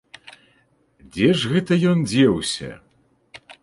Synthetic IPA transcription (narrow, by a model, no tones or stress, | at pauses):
d͡zʲɛʐɣɛt̪ɐjɔnd͡zʲɛwsʲɐ̰